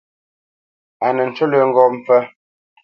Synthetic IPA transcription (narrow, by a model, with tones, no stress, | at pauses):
a˨nə˨n̩˨t͡ʃo˦lə˨ŋ˨ɡɔ˦˨m̩˨p͡fə˦